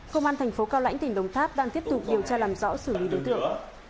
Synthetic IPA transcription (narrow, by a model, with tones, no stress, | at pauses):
kə˧wŋ͡mʔaː˧nt̪ʰɛ˨˩ŋ̟fo˨˦kaː˧wla̰˧˥jŋt̪ï˨˩ŋ̟ɗə˨˩wŋ͡mt̪ʰaː˦˥p̚ɗaː˧ŋt̪i˦˥əp̚t̪ʊ˨˩k͡p̚ɗi˨˩əwt͡ɕaː˧laː˨˩mzɔ̰˧˥sɨ˧˩li˨˦ɗo˨˦jt̪ɨ̰˧˨əŋ